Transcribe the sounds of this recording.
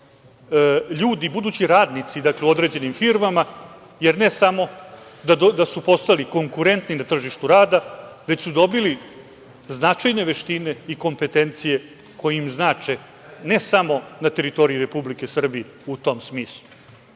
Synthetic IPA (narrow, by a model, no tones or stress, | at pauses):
ʎuːd̪ibud̪uːt͡ɕiɾaːd̪nit̪sid̪akleuo̞d̪ɾe̞d͡ʑe̞nimfiɾmama | je̞ɾne̞samo̞d̪ad̪asupo̞st̪aliko̞ŋkuɾe̞nt̪ninat̪r̩ʒiʃt̪uɾaːd̪aʋet͡ɕsud̪o̞bili | znat͡ʃajne̞ʋe̞ʃt̪ine̞iko̞mpe̞t̪e̞nt̪sije̞ | ko̞jeimznaːt͡ʃe | ne̞samo̞nat̪e̞ɾit̪o̞ɾiuɾe̞publike̞sr̩bije | ut̪o̞msmiːslˠu